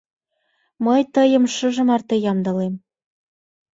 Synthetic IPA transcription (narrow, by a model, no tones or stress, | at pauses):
məjt̪əjə̆mʃɤʒə̆mɑrt̪ĕjɑmd̪ɤ̆lem